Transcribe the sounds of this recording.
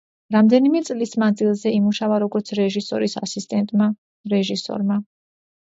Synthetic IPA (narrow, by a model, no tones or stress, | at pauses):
ɾamd̪ɛnimɛt̪sʼlismad̪zilˠzɛimuʃavaɾɔɡɔɾt̪sʰɾɛʒisɔ̰ɾisasist̪ʼɛnt̪ʼma | ɾɛʒisɔ̰ɾma